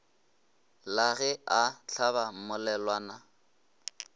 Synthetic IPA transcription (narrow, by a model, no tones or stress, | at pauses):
laɣɛʔaɬʰabam̩mʊlɛlwaːna